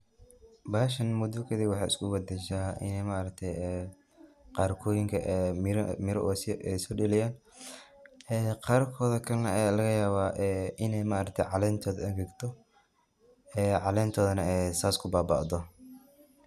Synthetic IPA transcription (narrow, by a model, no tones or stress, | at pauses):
baːʃɐnmʊd̪ɔkʰɐðiwɑħɑːʔɪ̰skʰʊwɐd̪ɛʃaːʔɪ̰nɛjmaːɐɾɐk̚t̪ʰɛjɛː | qɑːrkʰɔːjɪŋkʰɐʔmɾmɪɾɔ̰ʔsɛjsɔːɖɐlɛjaːn | ɛːqɑːrkʰɔːðɐkʰɐlɐnɐlɐɣɐjaːβaːʔɛʔɪnɛjmaːʔɐɾɐk̚t̪ʰɛ̰jʕɑlɛːnt̪ʰɔːðɐɐɣɛːɡt̪ʰɔ | ɛːʕɑlɛːnt̪ʰɔːðɐnɐɛsaːskʰʊbaːba̰ːʔd̪ɔ